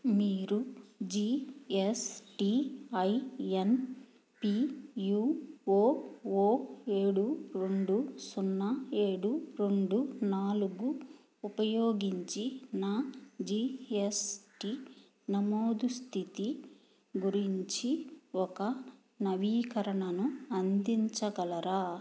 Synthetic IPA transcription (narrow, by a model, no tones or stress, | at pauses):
miːɾud͡ʒiːesʈiɐjen | pijuːoːoːe̞ːɽuɾe̞ɳɖusunːɐeːɽuɾeɳɖunaːluɡuː | pɐjoːɡiɲt͡ʃinaːd͡ʒiːesʈi | nɐmoːd̪ust̪ʰit̪i | ɡuɾiɲt͡ʃiɔkɐ | nɐʋiːkɐɾɐɳɐnuɐnd̪iɲt͡ʃɐɡɐlɐɾaː